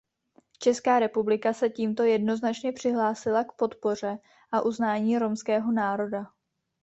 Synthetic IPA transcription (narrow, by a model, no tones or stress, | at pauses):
t͡ʃɛskaːɾɛpublɪkasɛciːmt̪o̞jɛdno̞znat͡ʃɲɛpr̝̥ɪɦlaːsɪlakpo̞t̪po̞r̝ɛ | ʔaʔuznaːɲiːɾo̞mskɛːɦo̞naːɾo̞da